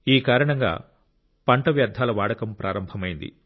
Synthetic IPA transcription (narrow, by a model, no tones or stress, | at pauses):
iːkaːɾɐɳɐŋɡa̰ː | pɐɳʈɐʋjɐɾd̪ʱːaːlɐʋaːɽɐkɐmpɾʔaːɾɐmbʱɐmɐjind̪ḭ